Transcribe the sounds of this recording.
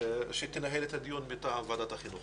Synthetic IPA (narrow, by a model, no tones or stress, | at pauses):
ʃet̪enaɦelet̪ad̪ijunmit̪aʕamvad̪at̪haχinuχ